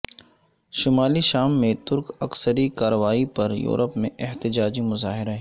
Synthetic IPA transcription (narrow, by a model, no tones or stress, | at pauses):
ʃʊmaːliʃaːmːẽt̪ʊɾkɐksəɾikaːɾəʋaːipɐɾjṵːɾəpmḛ̃ʔɪht̪ɪd͡ʒaːd͡ʒimʊzaːɦɪɾaɦɛː